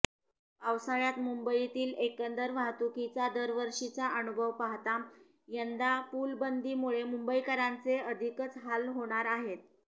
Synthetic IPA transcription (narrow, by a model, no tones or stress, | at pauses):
pawsaɭjat̪mumbəit̪iːlekənd̪əɾʋaɦt̪ukit͡sad̪əɾʋəɾʂit͡saʔənubʱəʋpaɦt̪a | jənd̪apulbənd̪iːmuɭemumbəikəɾant͡seəd̪ʱikət͡sɦalɦoɽ̃aɾaɦet̪̚